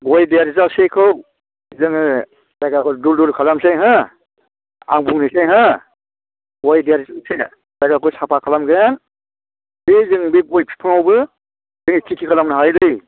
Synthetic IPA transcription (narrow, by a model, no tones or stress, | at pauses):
ɡɔjdijaɾizasekʰɯw | zɯŋɯ | dajɡakɔdulduɾkʰalamsejɦa | a̰ŋbuŋnisejɦa | ɡɔjdijaɾizase | dajɡakʰɔsapʰakʰalamɡjan | bezɯŋbiɡɔjpʰi̥pʰɔŋawbɯ | zɯŋkʰikʰikʰalamnaɦajlɯj